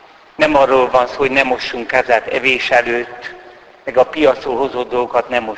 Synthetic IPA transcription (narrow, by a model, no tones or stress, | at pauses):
nɛmɒrːoːlvɒnsoːonɛmo̞ʃːuŋkaːzaːt̪ɛ̰veːʃɛløːt̪ː | mɛɡɒpijɒt̪solɦo̞zoːd̪d̪olɡokɒt̪nɛmːo